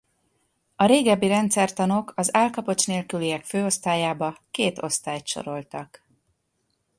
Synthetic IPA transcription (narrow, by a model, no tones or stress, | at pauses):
ɒɾeːɡɛbːiɾɛnt̪sɛrt̪ɒnokʰɒzaːlkɒpo̞t͡ʃneːlkyliɛkføːo̞st̪aːjaːbɒkeːt̪o̞̰st̪aːjt̪ʃo̞̰ɾo̞lt̪ɒk